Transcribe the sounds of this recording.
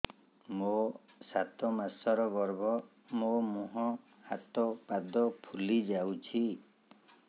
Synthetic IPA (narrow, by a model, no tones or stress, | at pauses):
mo | sat̪ɔmasɔɾɔɡɔɾbɔ | momuɦɔ | hat̪ɔpad̪ɔpʰulid͡ʒawt͡ʃʰi